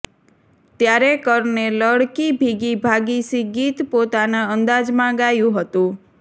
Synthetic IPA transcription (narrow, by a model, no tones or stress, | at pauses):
t̪jaɾekəɾneləɽkibʱiɡibʱaɡisiɡit̪pot̪anaənd̪ad͡ʒmãɡajũɦət̪ũ